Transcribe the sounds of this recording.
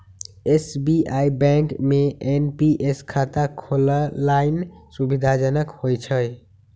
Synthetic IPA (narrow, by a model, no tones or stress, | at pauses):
esbiaibɛ̃ŋkmeenpiʔeskʰat̪akʰoləlainsubid̪ʱad͡ʒənəkhojt͡ʃʰəj